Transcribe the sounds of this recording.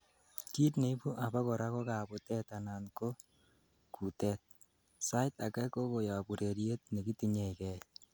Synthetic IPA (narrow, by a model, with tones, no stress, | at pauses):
ki˦tne˨i˦pu˦ʔa˨ba˦kɔ˨ɾa˦kɔ˦ka˨bʊ˨tɛ˦ta˨na˨nko˦ | ku˨tɛ˦t̚ | sa˦ɪta˨kɛ˦ko˦ko˨ja˨bu˨ɾe˨ɾje˦t̚nɛ˨ki˦ti˨ɲe˨kɛ˨j